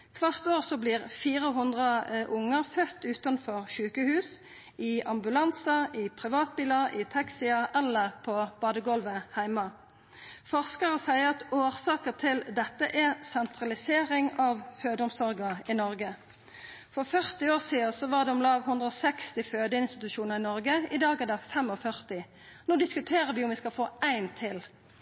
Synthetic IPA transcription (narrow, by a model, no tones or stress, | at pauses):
kʰʋɑʁt̪oːʁsɔbliːʁfiːʁəɦʉnd̪ʁəʔʊŋːəʁfœt̪ːʉːt̪ɑnfɔʁʃʉːkəhʉːs | ɪɑmbʉlɑnsɑɪpʰʁɪʋɑːt̪̚biːlɑʁɪt̪ʰɑksiːɑʔɛlːəʁpʰɔb̥ɑːd̪əɡɔlʋəhæɪmɑ | fɔʁskəʁəsæɪəʁɑt̪oːʁsɑːkəʁt̪ʰɪld̪ɛt̪ːəʔɛsɛnt̪ʰʁɑlɪseːɾɪŋɑʋføːd̪əʊmsɔɾɡəɪnɔʁɡə | fɔʁfœʁt̪ɪoːsiːəsɔʋɑʁd̪ɛɔmlɑːɡhʉnd̪ʁəɔsɛkst̪ɪføːd̪əɪnst̪ɪt̪ʉʃuːnəʁɪnɔʁɡəɪd̪ɑːɡɛd̪ɛfɛmɔfœʁt̪ɪ | noːd̪ɪskʉt̪ʰeːʁəʋɪʊmʋɪskɑlfoːæɪnt̪ʰɪl